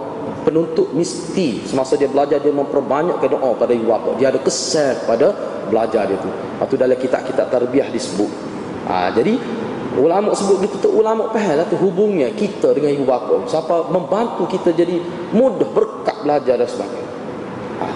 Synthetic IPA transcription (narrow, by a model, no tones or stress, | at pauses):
pənunt̪ʊʔ̚mist̪isəmasadiabəlad͡ʒadiamə̃mpərbaɲaʔkadɔŋʔɔpadaibubapɔ̰ʔdiaːdakəsɛlə̥pada | bəlad͡ʒardiat̪u | at̪udalakit̪a̰ʔkit̪aʔt̪arbiahdisəbʊʔ | ʔa̰d͡ʒadi | ulamɔʔsəbʊt̪̚ɡit̪ut̪uulamɔʔpəɦɛlat̪uɦubʊŋɲakit̪adəŋanibubapaʔsapaməmbant̪ukit̪ad͡ʒadi | mudɔhbərkaʔbəlad͡ʒardansəbaɡaj | a̰